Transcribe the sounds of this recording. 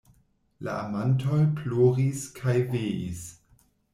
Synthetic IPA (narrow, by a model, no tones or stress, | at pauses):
la̰amantolploːʁiskʰajveḭs